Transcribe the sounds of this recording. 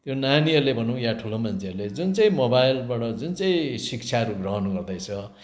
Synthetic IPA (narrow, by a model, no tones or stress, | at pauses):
t̪jonaniʌrlebʱʌnũjaʈʰulomant͡sʰeʌrled͡zunt͡saĩmobajlbaʈʌd͡zunt͡saĩsik̚t͡sʰaʌɾuɡrʌɦʌnɡʌrd̪ʌjt͡sʰʌ